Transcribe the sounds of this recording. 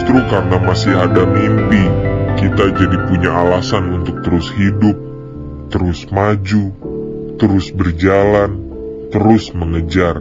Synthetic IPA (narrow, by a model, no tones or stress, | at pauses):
st̪ɾukarənamasiɦadamimpikit̪ad͡ʒadipuɲaalasanunt̪ʊk̚t̪əɾʊshidʊp̚ | t̪əɾʊsmad͡ʒu | t̪əɾʊsbərd͡ʒalan | t̪əɾʊsməŋəd͡ʒar